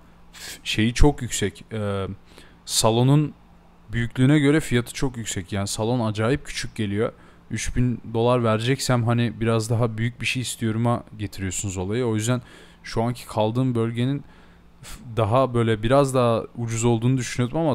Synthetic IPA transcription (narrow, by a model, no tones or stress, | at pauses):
fʃe̞jit͡ʃʰo̞kjycsɛcɛː | salˠo̞nun | byjycʲlʲyːnɛɟø̞ɾɛfijat̪ʰɯ̥t͡ʃʰo̞kjycsɛcjaːnisalˠo̞nad͡ʒaːjip̚cʰy̥t͡ʃʰyc̚ɟe̞lʲijo̞ | yt͡ʃbind̪o̞lˠaɾvæɾd͡ʒɛcsæmɦanibiɾazd̪aɦabyjyc̚biʃejist̪ʰijo̞ɾumaɟe̞t̪ʰiɾijo̞sunuzo̞lˠajɯo̞jyzd̪æn | ʃuaɲcʰi̥kʰalˠd̪ɯːmbø̞lʲɟe̞nin | d̪aɦabø̞jlʲɛbiɾazd̪aːud͡ʒuzo̞lˠd̪uːnud̪yʃynyjod̪umama